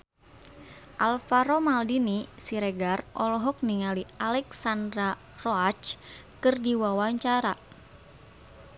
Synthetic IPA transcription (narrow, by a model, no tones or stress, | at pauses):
ʔalfaɾomaldinisiɾɛɡarʔɔlɔɦɔk̚niŋalialɛksandɾa | rɔat͡ʃkɨrdiwawaɲt͡ʃaɾa